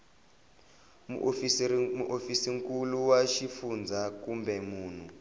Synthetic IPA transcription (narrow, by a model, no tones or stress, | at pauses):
mṵʔfimuʔofisiŋkuluwaʃifund͡zʱakumbɛmuːn̤u